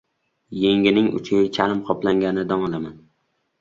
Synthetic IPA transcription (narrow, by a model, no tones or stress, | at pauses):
jeŋʲɪnɪŋʊ̰t͡ʃʰit͡ʃʰaɾɪmqʰɒplaŋɡʲanɪd̪ɒŋɒlˠaman